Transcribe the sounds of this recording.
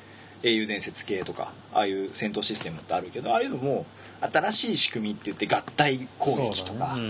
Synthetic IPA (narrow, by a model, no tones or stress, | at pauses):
e̞ːjɯ̟ːd̪ẽ̞ɰ̃se̞t͡sɨ̥ke̞ːt̪o̞ka̰ | a̰ːjɯ̟ːsẽ̞nt̪o̞ɕisɨ̥t̪e̞mɯ̟t̪ːe̞aɾɯ̟ke̞d̪o̞aːɾɯɯ̟nomo̞ | at̪aɾaɕiːɕi̥kɯ̟mʲit̪ːe̞jɯ̟t̪ːe̞ɡat̪ːaikʰo̞ːkʲi̥t̪o̞kka